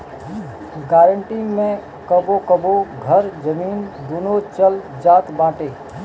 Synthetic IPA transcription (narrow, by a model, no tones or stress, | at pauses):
ɡaːɾəɳʈimẽ | kəbokəboɡʱəɾd͡ʒəmiːnd̪uːnot͡ʃəld͡ʒaːt̪bãːʈeː